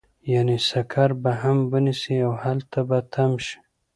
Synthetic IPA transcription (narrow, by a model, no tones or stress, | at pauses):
janisakʰaɾbaɦambənisiawhalt̪ʰabat̪ʰamʃi̥